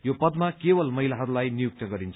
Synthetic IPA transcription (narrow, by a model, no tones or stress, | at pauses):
jopʌd̪makebʌlmʌɦilaɦʌɾulajnijuk̚t̪ʌɡʌɾint͡sʰ